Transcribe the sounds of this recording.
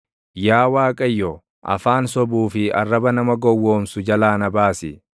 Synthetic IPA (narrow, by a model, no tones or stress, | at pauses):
jaːwaːkʼɐjːɔ | ʔɐ̰faːnsɔbuːfɪɐ̰rːɐbɐnɐmɐɡɔwːoːmsʊd͡ʒɐlaːnɐbaːsɪ